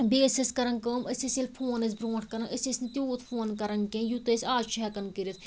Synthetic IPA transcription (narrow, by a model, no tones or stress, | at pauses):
beːsɐskɐɾɐnkəːməsʲɐsilpʰoːnɐs̬bɾõːʈʰkɐɾɐnəsʲɐsʲnit̪ʲuːt̪ʰfʰoːnkɐɾɐŋkẽːjut̪ɐsʲaːd͡ʒt͡ʃʰɛkɐnkiɾit̪̚ʰ